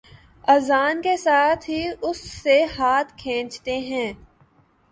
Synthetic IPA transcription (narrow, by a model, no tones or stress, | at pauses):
ɐzaːnkesaːt̪ʰɦiʊsːehaːt̪ʰkʰẽːt͡ʃt̪eɦɛ̃ː